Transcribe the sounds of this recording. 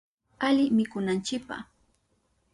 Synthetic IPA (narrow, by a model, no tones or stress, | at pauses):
aʎɪmɪkʊnant͡ʃɪk̚pa̰χ